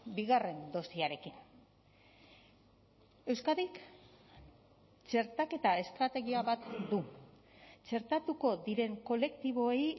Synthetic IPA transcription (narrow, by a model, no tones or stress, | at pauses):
biɣare̞nd̪o̞st̪iaɾe̞kin | e̞wskaðik | t͡ʃe̞ɾt̪ake̞t̪ae̞st̪ɾat̪e̞ɣ̞iaβat̪d̪u | t͡ʃe̞ɾt̪at̪uko̞ðiɾe̞ŋko̞le̞kt̪iβ̞o̞ej